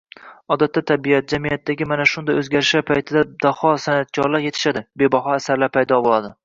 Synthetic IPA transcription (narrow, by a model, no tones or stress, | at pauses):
ɒd̪at̪ʰːat̪ʰːabijat̪̚d͡ʒamijat̪ʰːaɡʲɪmanaʃʊnd̪ajɵzɡʲaɾɪʃaɾpʰajt̪ʰɪd̪ad̪̥ahɒsanat̪̚kʲʰɒɾlaɾje̞t̪ʰɪ̥ʃad̪ɪbe̞baɦɒasaɾlaɾpʰajd̪ɒbolˠad̪ɪ